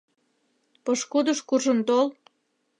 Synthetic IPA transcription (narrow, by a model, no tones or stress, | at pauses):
pɤʃkud̪əʃkuʒə̆nt̪ol